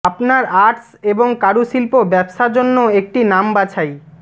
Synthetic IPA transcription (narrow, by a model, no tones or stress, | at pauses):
apnaɾaɾʈs | eboŋkaɽuʃilpobɛbʃaɾd͡ʑonːoek̚ʈinambat͡ɕʰaj